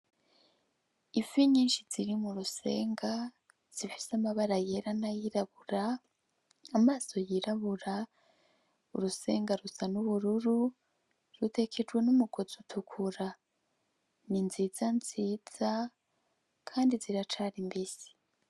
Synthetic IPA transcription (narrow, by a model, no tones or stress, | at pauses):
ifiɲiːnʃiz̥iɾimuɾuse̞̰ːŋɡa | z̥ifi̥samaβaɾajeɾanajiɾaβuɾaː | maːso̞jiɾaβuɾa | ṵɾuse̞ːŋɡaɾusanuβuɾuɾu | ɾute̞kʰe̞d͡ʒɡwe̞numuɡ̥o̞zutʰukʰuɾa | ninziz̥anziːz̥a | kʰaːndiziɾat͡ʃaɾimbisi̥